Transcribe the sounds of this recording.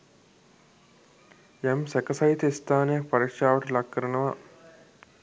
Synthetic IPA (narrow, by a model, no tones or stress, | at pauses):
jɛmsɛkəsɐɦit̪əist̪ʰaːnejak̚pɐɾikʂaːʋəʈəlakːəɾənəʋa